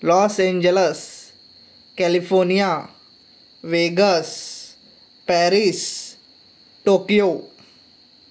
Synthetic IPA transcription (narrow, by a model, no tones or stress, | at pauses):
lɔːsẽɲd͡ʒəles | kɛlifʰoɾnija | ʋeɡəs | pɛɾis | ʈoːkjo